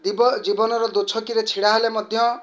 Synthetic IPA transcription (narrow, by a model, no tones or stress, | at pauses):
d̪ibd͡zibɔnɔɾɔd̪ot͡sʰɔkiɾet͡sʰiɽaɦolemʌd̪ʱjʌ